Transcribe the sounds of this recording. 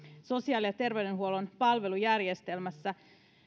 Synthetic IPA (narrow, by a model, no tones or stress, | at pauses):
so̞siɑːlijɑt̪e̞rʋe̞yde̞nɦuolo̞npɑlʋe̞lujærjest̪e̞lmæsːæ